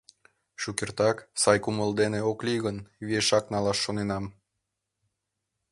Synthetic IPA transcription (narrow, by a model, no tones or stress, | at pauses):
ʃukert̪ɑksɑjkuməld̪eneoklʲiɣənβeʃɑknɑlɑʃːonenɑm